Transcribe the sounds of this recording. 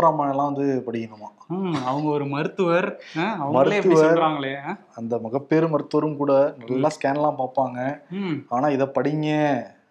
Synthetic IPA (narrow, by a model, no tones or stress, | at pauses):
ɾaːmaːnɛlːãːʋɐnd̪ɯpɐɽɪkːɐnɯmːaːɐʋɐŋɡɐɔɾɯmɐɾɯt̪ːɯʋɐɾɐʋɐmɐɾɯt̪ːɯʋɐɾɾaːŋɡɐɭeː | ɐnd̪ɐmɐɣɐpːeːɾɯmɐɾɯt̪ːɯʋɐɾɯmkuːɽɐnɐlːãːskaːnlãːpaːpaːŋɡɐaːnaːɪðɐpɐɽɪŋɡɛ